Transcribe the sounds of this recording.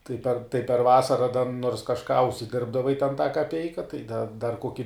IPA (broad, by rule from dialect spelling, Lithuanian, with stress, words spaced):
tɐɪ pʲɛr tɐɪ pʲɛr ˈʋɑːsɐrɐ dɐ noːrs kɐʃˈkɑː ʊʃʲsʲɪˈdʲɪrbdɐʋɐɪ tʲɛn tɑː kɐˈpʲɛɪkɐ tɐɪ dɐ dɐr ˈkoːkʲɪ